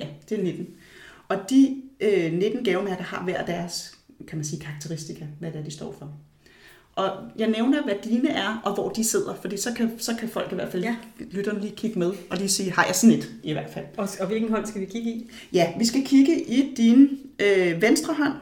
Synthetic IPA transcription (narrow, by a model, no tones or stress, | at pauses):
jæd̥e̝ne̝d̥n̩ɒ̽d̥iøne̝d̥n̩ɡ̥ɛʊɐmæɐ̥ɐhɑ̈ʋæɐ̰d̥æɐskʰæmænsiːkʰɑ̈ɑ̈ɡ̥̚t͡sʰeʁisd̥ikʰæʋæd̥eæɐd̥isd̥ɒ̰ːfɒ̽ | ʔɒ̽jɑ̈ɪneʊnɐʋæd̥iːnəʔæɐʔɒ̽ʋɒ̰ːd̥ise̝ð̞̰ˠɐfɒ̽d̥ḭːsɒ̽kʰæsɒ̽kʰæfɒ̽l̰ɡ̥iʋæɐ̰̥fællyd̥ɐnəliːkʰiɡ̥əmeðˠʔɒ̽lisiːhɑ̈jɑsned̥iʋæɐ̰̥fæl̰ɒʋe̝lɡ̥n̩ɦɒn̰sɡ̥æʋikʰiɡ̥əi | jæʋisɡ̥ækʰiɡ̥əʔid̥inøʋensd̥ʁɐɦɒ̽n̰